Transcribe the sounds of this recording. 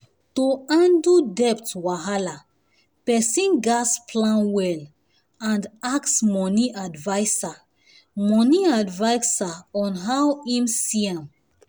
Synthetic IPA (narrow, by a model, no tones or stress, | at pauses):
toãndudɛptwaɦala | pɛsĩnɡaspʰlãnwɛl | ãndaksmɔniʔadvajsa | mɔniadvajsaɔ̃nɦawimsiãm